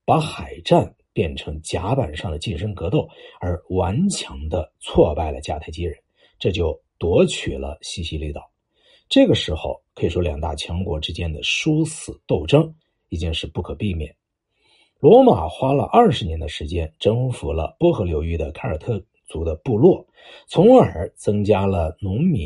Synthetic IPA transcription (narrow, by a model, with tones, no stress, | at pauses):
pa˧˥xa˨˩ɪʈ͡ʂa˥˩n | pjɛ˥˩nʈ͡ʂʰɤ˧˥ŋt͡ɕja˧˥pa˨˩nʂɑ˥˩ŋd̪ə˩t͡ɕi˥˩nʂɤ˥ŋkɤ˧˥t̪o˥˩ʊə˞˧˥wa˧˥nt͡ɕʰjɑ˧˥ŋd̪ə˧t͡sʰwɔ˥˧pa˥˩ɪlə̰˩t͡ɕja̰˥˧˩t̪ʰa˥ɪt͡ɕi˥ɻə˧˥n | ʈ͡ʂɤ˥˧t͡ɕjo˥˩ʊt̪wɔ˧˥t͡ɕʰy˨˩lə̰˦ɕi˥ɕi˧˥li˥˩t̪ɑ˨˩˦ | ʈ͡ʂɤ˥˩ɡə˩ʂɻ̩˧˥xo˥˧ʊkʰɤ˧˥i˨˩ʂwɔ˥ljɑ˨˩ŋt̪a̰˥˩t͡ɕʰjɑ˧˥ŋkwɔ˧˥ʈ͡ʂɻ̩˥t͡ɕjɛ˥nd̪ə˨ʂu˥sɹ̩˨˩t̪o˥˩ʊʈ͡ʂɤ˥ŋ | i˧˨˩t͡ɕi˥˧ŋʂɻ̩˥˧pu˥˩kʰɤ˨˩pi˥˧mjɛ̰˥˩n | lwɔ˧˥ma˨˩xwa˥lə̰˧ʔɐ˞˥˩ʂɻ̩˧˥njɛ˧˥nd̪ə˧ʂɻ̩˧˥t͡ɕjɛ˥nʈ͡ʂɤ˥ŋfu˧˥lə̰˧pwɔ˥xɤ˧˥ljo˧˥ʊy˥˩d̪ə˨kʰa˥ə̰˞˨˩t̪ʰɤ˥˩ | t͡su˧˥d̪ə˧pu˥˧lwɔ˥˩ | t͡sʰʊ˧˥ŋə˞˨˧˥t͡sɤ˥ŋt͡ɕja˥lə˨nʊ˧˥ŋmi˨˥